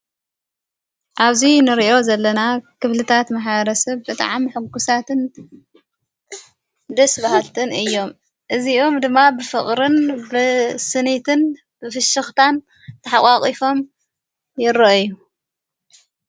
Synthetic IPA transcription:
ʔaβzinɨɾiʔo̞zɐlːɐnakʰɨβlɨt̪ʰat̪maħβɐɾɐsɐβbɨt̪ʼa̰ʕamħɨɡusat̪ɨn | d̪ɐsbahalt̪ʰɨnɨjːo̞m | ʔɨziʔo̞md̪ɨmːabɨfɨχʼɾɨnbɨsɨnit̪ʰɨn | b̥ɨfɨʃɨxt̪ʰan | t̪ʰɐħakʼakʼifo̞m | jɪɾɐʔju

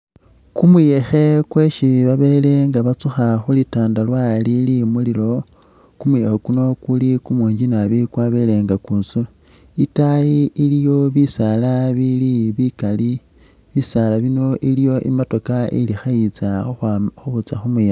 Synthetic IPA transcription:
kumuje̞xe̞kwe̞ʃiβaβe̞ːle̞ŋɡaβat͡suxaxulitaːndalwalilimulilo̞ | kumujexokuno̞kulikumwuːɲɟinaβikwaβe̞le̞ŋɡakuːnsul | itajiʔilijo̞βisalaβiliβikali | βisalaβino̞ʔilijo̞ʔḭmato̞kaḭlixait͡saxxuβut͡saxumuje

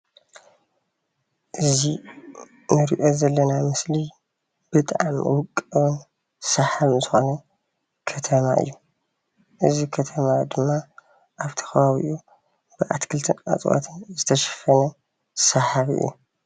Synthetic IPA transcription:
ʔɨzi | nɨɾiʔo̞zɐlːɐnamɨsli | b̥ɨt̪ʼʕamwʊkʼːɐwɨn | sɐħaβnzɨxonɐ | kʰɐt̪ʰɐmaʔɨ̰jːu | ʔɨzikʰɐt̪ʰɐmad̪ɨmːa | ʔaβt̪ʰɐ̥xɐβaβḭʔu | bɨʔa̰t̪kʰɨlt̪ʰɨnʔa̰t͡sʼwo̰t̪ʰɨnzɨt̪ʰɐʃɛ̥fɐnɐ | sɐħaβɨ̰jːṵ

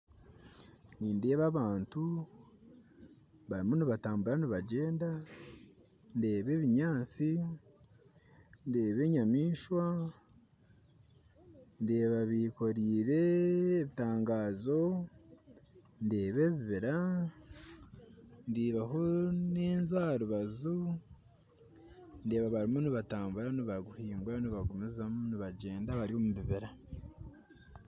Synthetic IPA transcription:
niːndeːβaβaːntu | βaɾimoniβataːmbuɾaniβaɟe̞ːnda | nde̞ːβe̞ːβiɲaːt͡si | ndeːβe̞ɲamiːʃwa | nde̞ːβaβiko̞ɾiːɾe̞ːβitaːŋɡaːzo̞ | ndeːβe̞ːβiβiɾa | ndiːβaɦoniːnzwaːɾuβazu | nde̞ːβaβaɾimuniβataːmbuɾaniβaɡuhiːŋɡwaniβaɡumizamuniβaɟe̞ːndaβaɾiomuβiβiɾa

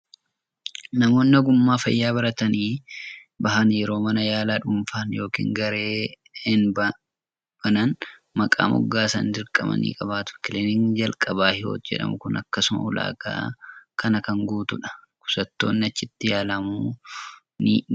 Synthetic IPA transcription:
nɐmo̞ːnːɐɡʊmːaːfɐ̰jːaːbɐɾɐt̪ɐniː | bɐɦɐnjɛɾo̞ːmɐnɐjaːlaːᶑʊmfaːnjo̞ːkḭːŋɡɐɾe̞ː | ɪnbɐ | b̥ɐnɐnmɐkʼa̰ːmʔʊ̰ɡːaːsɐ̰ndɪɾkʼɐmɐ̰nḭːkʼɐβaːt̪ʊ̥kɪlenɪŋd͡ʒɐlkʼɐbaːhɪho̞̰ːt̪d͡ʒɛ̰ᶑɐ̰mʊkʊnɐkːɐsʊmɐ̰ʊla̰ːɡa̰ːkɐnɐkɐŋɡuːt̪ʊᶑɐ̥kʊ̥sɐt̪ːo̞̰ːnːɪɐt͡ʃːɪt̪ːɪjaːlɐmuː | nɪ

